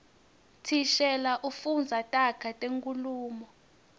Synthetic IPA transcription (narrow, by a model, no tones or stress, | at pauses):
tʰiʃɛlaʔufund͡zʱatʼakʰatʼeŋkʼuluːmɔ